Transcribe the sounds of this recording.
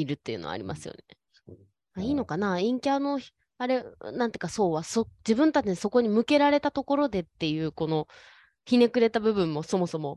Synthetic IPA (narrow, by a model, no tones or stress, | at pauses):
iɾɯ̟t̪ːejɯ̟̰ːno̰a̰ɾʲima̰sɨjo̰ne̞̰ | aiːno̞kanaĩŋkʲano̞ | aɾe̞nãnt̪eiɯ̟kaso̞ːβasod͡ʑibɯ̟̃nt̪at͡ɕinso̞ko̞ɲ̟imɯ̟ke̞ɾaɾe̞t̪at̪o̞ko̞ɾo̞d̪e̞t̪ːe̞jɯ̟ːko̞no̞ | çine̞kɯ̟ɾe̞t̪abɯ̟bɯ̟̃mːo̞so̞mo̞so̞mo̞